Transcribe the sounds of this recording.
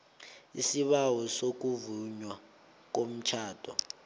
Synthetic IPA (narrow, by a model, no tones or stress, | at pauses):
isiɓawɔsok̬uvuɲwa | k̬om̩t͡ʃʰaːd̥ʱɔ